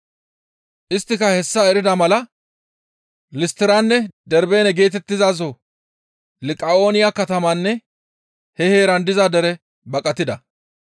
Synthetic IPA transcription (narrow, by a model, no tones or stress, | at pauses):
ʔɪst̪ːɪkɐhɛsːɐɛɾɪd̪ɐmɐlɐ | lɪst̪ɪɾɐnːɛd̪ɛɾbe̞ːnɛɡe̞ːt̪ɛt̪ːɪzaːz̬o | lɪkʼːɐo̞ːnɪjakɐt̪ɐmɐnːɛ | hɛheːɾɐnd̪ɪzɐd̪ɛɾɛ | bɐkʼɐt̪ːɪd̪ɐ